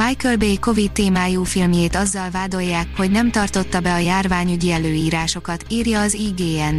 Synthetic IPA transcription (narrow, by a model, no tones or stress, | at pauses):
ajkølbejko̞vit̪ːeːmaːjuːfilmjeːt̪ɒzːɒlvaːd̪o̞jːaːkho̞ɟnɛmt̪ɒrt̪o̞t̪ːɒbɛɒjaːrvaːɲyɟiɛløːiːɾaːʃo̞kɒt̪iːrjɒːziːɡeːɛn